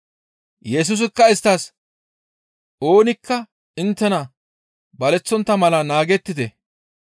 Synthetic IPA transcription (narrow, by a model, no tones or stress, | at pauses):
jɛs̬us̬ɪkːɐɪst̪ːɐs | o̞ːnɪkːɐ | ɪnt̪ːɛnɐ | bɐlɛt͡sːɔnt̪ːɐmɐlɐnaːɡɛt̪ːɪd̪ɛ